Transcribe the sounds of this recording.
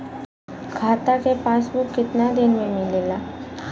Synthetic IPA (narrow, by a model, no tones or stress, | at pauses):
kʰaːt̪akepaːsbukːɪt̪nad̪ɪnmẽmɪleːlaː